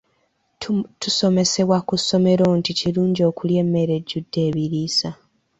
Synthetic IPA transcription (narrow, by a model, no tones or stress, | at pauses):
tuso̞me̞se̞βwakuso̞me̞ɾo̞ːnticiɾuːɲɟo̞ːkulje̞ːmːe̞ɾe̞ɟːudːe̞ːβiɾiːsa